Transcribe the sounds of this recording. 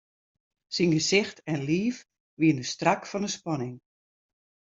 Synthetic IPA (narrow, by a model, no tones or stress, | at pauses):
sinɡəsɪxtʰɛnliːf | ʋiəndəstrakfɔnəspɔnɪŋ